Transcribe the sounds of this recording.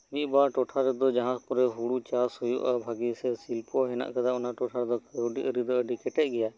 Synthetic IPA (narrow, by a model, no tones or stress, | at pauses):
ʋiːbaːʈoːʈʰaːɾɪd̪oːd͡ʒəɦãːpʊɾeːɦuːɽuːt͡ʃaːsɦʊjo̰ːʔəbʱaːɡiːseːsilpoːɦɪna̰ʔkʰəd̪aʊnãʈoːʈʰaːɾd̪oːkoːɖḭːʔəɾid̪oːəɖiːkɪʈeːɡɪjaː